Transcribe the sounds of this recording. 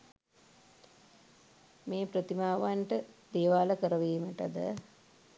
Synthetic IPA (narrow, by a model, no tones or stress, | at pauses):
meːpɾət̪imaːʋaɳʈəd̪eːʋaːləkəɾəʋeːməʈəd̪ə̰